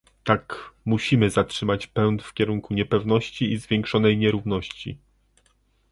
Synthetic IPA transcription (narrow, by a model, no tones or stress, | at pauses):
t̪akmuɕimɘzatʂɘmat͡ɕpɛwnt̪fkʲɛɾuŋkuɲɛpɛvn̪ɔɕt͡ɕiizvʲjɛŋkʂɔn̪ɛjɲɛɾuvnɔɕt͡ɕḭ